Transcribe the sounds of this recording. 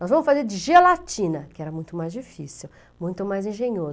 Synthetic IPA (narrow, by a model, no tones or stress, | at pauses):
nɔzvɐ̃mʊsfazeɾd͡ʒɪʒelat͡ʃĩnɐkɪɛɾɐmũj̃t̪ʊmajzd͡ʒifisiw | mũj̃t̪ʊmajzẽʒẽɲoz